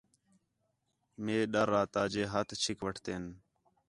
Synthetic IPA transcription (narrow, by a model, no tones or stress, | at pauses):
meːɗəɾːaːt̪aːd͡ʒeːɦət̪t͡ʃʰɪkʋəʈʰt̪eːn